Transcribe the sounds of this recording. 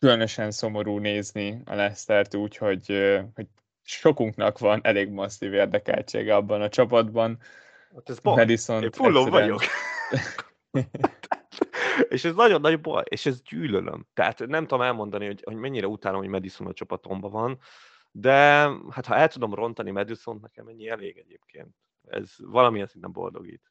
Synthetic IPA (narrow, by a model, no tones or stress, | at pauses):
kylønøʃɛnso̞mo̞ɾuːneːzniɒ̰lɛst̪ɛrt̪uːcho̞ɟøho̞ɟ | ʃo̞kuŋknɒkʋɒnɛleːɡmɒsːiveːrd̪ɛkɛ̰lt͡ʃḛːɡɛɒbːɒnɒt͡ʃɒpɒd̪bɒn | ot̪ːɛzomɛd̪isonefulːovɒɟok | t̪eːʃɛznɒɟo̞nːɒɟbo̰eːʃɛzɟyːlø̰lʔø̰mt̪ɛɦa̰t̪nɛmt̪ud̪omɛlmo̞nd̪ɒniho̞ɟhoɟmɛɲːiɾɛut̪aːloɦomɛd̪isonɒt͡ʃɒpɒt̪o̞mbɒvɒn | d̪ɛhat̪hɒɛlt̪ud̪o̞mro̞nt̪ɒnimɛd̪iso̞nt̪nɛkɛ̰mɛɲːiɛleːɡɛɟeːp̚kʰḛːnt̪ | ɛ̰z̥vɒlɒmijɛnsint̪ɛmbo̰ld̪o̞̰ɡḭːt̪